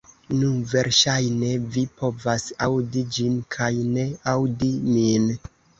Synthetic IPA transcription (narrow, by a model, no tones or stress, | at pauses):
nuve̞ɾʃajne̞vipʰo̞vasawdid͡ʒinkʰajne̞awdimin